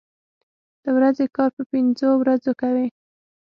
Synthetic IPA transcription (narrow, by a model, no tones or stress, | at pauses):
d̪̥əwɾazekɑɾpəpɪnzowɾazokawi